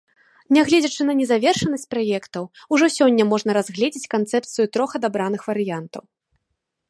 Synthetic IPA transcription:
nʲaɣlʲɛd͡zʲɐt͡ʂɨnɐnʲɛzavʲɛrʂɐnɐsʲt͡sʲpɾajɛkt̪ɐwuʐɔsʲɔnʲːɐmɔʐnɐɾazɣlʲɛd͡zʲit͡sʲkant̪sɛp̚t̪sɨjut̪ɾɔxɐd̪abɾanɨxvɐɾɨjant̪ɐ̰w

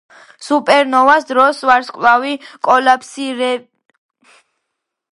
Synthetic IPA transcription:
supʼɛɾnɔvasd̪ɾɔsvaɾskʼlavikʼɔlapʰsiɾɛ

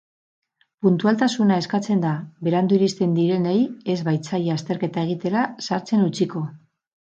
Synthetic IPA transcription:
punt̪ualt̪asunae̞skat͡se̞nd̪aβe̞ɾand̪uiɾist̪e̞nd̪iɾe̞neje̞zβajt͡sajast̪e̞ɾke̞t̪ae̞ɣ̞it̪e̞ɾasaɾt͡se̞nut͡siko̞

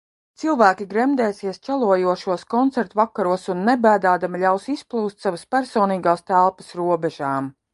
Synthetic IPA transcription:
t̪silˠvæːkʲiɡɾɛmd̪ɛːsiɛst͡ʃælˠuɔjuɔʃuɔskɔnt̪sɛɾt̪uvakaɾuɔsunːɛbæːd̪aːd̪amilʲawsisplˠuːst̪ʲsavəspæɾsɔːniːɡaːst̪ælˠpə̥sɾuɔbɛʒaːm

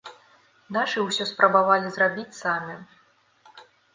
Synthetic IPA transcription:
naʂɨwsʲɔspɾʔɐbavalʲizrabʲit͡sʲsamʲi

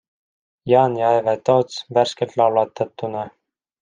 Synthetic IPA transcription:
jɑːnjɑjvet̪ot̪sværskelt̪lɑwlɑt̪ːɑt̪ːunɑ

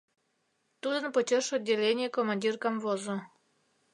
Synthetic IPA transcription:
t̪ud̪ənpot͡ɕʲeʃodʲːelʲenʲɪjekomanʲdʲirkamvozo

